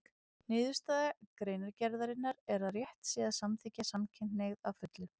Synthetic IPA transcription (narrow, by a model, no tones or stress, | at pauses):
nɪːðʏst̪aːðakɾeːjnaɾcɛɾðaɾɪnːaɾɛɾaðrjɛht̪siːðasamθiːcːasamcʰɪjnneɣðawfʏt̪lʏ